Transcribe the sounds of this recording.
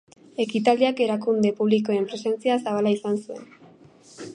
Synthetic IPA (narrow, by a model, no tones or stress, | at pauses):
e̞kit̪aliake̞ɾakund̪e̞puβ̞liko̞e̞mpɾe̞se̞nt͡siasaβ̞alaisansue̞̰n